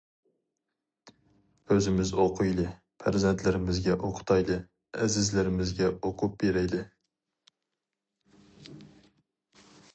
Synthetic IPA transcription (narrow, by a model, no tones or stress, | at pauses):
øzɪmɪzoqʰʊjlˠɨ | pʰæɾzent̪ʰlɪɾɪmɪzɡʲɛʔoqʰʊ̥t̪ʰɑjlˠɨ | æzɪzlɪɾɪmɪzɡʲɛoqʰʊp̚beɾɛjd̪ɪ